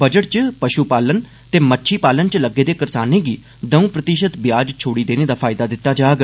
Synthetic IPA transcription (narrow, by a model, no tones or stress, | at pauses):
bəd͡ʒəʈ̚t͡ʃpəʃuːpaːlən | t̪eːmətːʃʰiːpaːlənt͡ʃləɡːeːd̪eːkəɾsaːnẽːɡiː | d̪əũːpɾət̪ɪʃət̪bjaːd͡ʒt͡ʃʰoːɽiːd̪eːneːd̪aːpʰaːɪd̪aːd̪ɪt̪ːaːd͡ʒaːɡ